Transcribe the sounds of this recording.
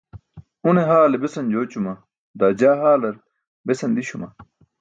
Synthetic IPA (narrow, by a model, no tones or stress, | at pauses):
uneɦaːlebesɐnd͡ʑoːt͡ɕumɐ | d̪aːd͡ʑaːɦaːlɐɾ | besɐnd̪iɕumɐ